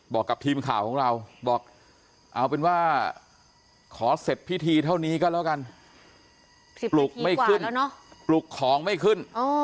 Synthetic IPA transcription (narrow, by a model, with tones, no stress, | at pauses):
bɔː˨˩kːa˨˩p̚t̪ʰiː˧mkʰaː˨˩wkʰɔː˩˦ŋɾa˧wbɔː˨˩k̚ | ʔa˧˩wpe˧nwaː˥˩ | kʰɔː˩˦se˨˩t̪̚pʰi˦˥˩t̪ʰiː˧t̪ʰa˥˩wniː˦˥kɔː˥˩lɛː˦˥wka˧n˨ | plu˨˩k̚m˧ma˥˩jkːɯ˥˨˩n˦˥nɔ˦˥plu˨˩kʰːɔː˩˦ŋma˥˩jkʰɯ˥˩noː˧